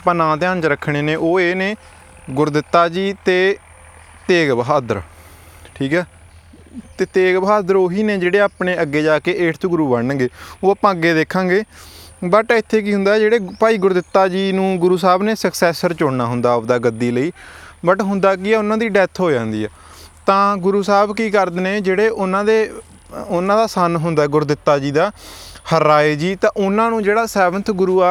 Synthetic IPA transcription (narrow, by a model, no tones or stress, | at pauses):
pə̃nãːt̪ɪjãːnt͡ʃɾəkʰːɽ̃eːneːʔoːeːneː | ɡʊɾd̪ɪt̪ːaːd͡ʒiːt̪eː | t̪eːɡbɦaːd̪əɾ | ʈʰiːkɛː | t̪eːt̪eːɡbəɦaːd̪əɾoːɦiːneːd͡ʒeːɽeːaːpɳeːəɡːeːd͡ʒaːkeːʔeːʈʰt̪oːɡʊɾuːbəɳɡeːoːaːpãːəɡːeːd̪eːkʰːãːɡeːbəʈːɪt̪ʰːeːk̬iːɦʊ̃nd̪aːd͡ʒeːɽeːpaːiːɡʊɾd̪ɪt̪ːaːd͡ʒiːnũːɡʊɾuːs̬aːbneːsəksɛːsəɾt͡ʃoːɽnaːɦʊ̃nd̪aːʊd̪aːɡəd̪ːiːləiːbəʈɦʊnd̪aːk̬iɛːʊnãːd̪iːɖɛt̪ʰɦoːd͡ʒãːnd̪iːɛː | t̪ãːɡʊɾuːsaːbkiːkəɾd̪neːd͡ʒeːɽeːʔʊnãːd̪eː | ʊnãːd̪aːsənɦʊnd̪aːɛːɡʊɾd̪ɪt̪ːaːd͡ʒiːd̪aːhəɾaːeːd͡ʒiːt̪ãːʔʊnãːnũːd͡ʒeːɽaːsɛːʋənt̪ʰɡʊɾuːaː